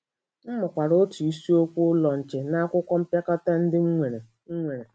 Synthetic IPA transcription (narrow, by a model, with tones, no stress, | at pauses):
m̩˦mʊ˨kʷa˨ɾo˦tu˨i˦si˦o˦kʷu˦lɔ˨n̩˨t͡ʃɪ˨na˦kʷʊ˦kʷɔ˦m̩˦pja˦ka˦ta˦n̩˦dɪ˦e˨e˨ | ŋ̩˦ŋʷe˨ɾe˨